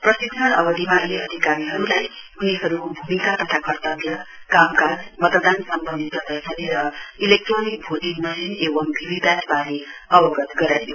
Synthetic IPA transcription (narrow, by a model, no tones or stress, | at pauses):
prʌsik̪sʰʌnʌbʌd̪ʱimanleʌd̪ʱikaɾiɦʌɾulaj | uniɦʌɾubʱumikat̪ʌt̪ʰakʰʌrt̪ʌɡjʌ | kamkad͡zmʌt̪d̪ansʌmbʌnd̪ʱit̪ʌb̪ajsʰʌneɾʌilek̚ʈronik̚bʱoʈ̪inmanenebʌmbʱibid̪asbaniʌbʌɡʌt̪ɡʌɾajjo